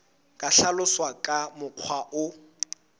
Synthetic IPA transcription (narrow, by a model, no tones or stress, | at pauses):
kʼaɬalʊswakʼamʊq͡χʰwaʔʊ